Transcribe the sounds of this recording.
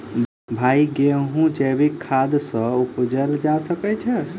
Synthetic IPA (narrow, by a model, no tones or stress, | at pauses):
bʱaiɡeɦũd͡ʒɛbʱikʰːad̪sə̃upd͡ʒɛld͡ʒasəkɛt͡ʃʰɛ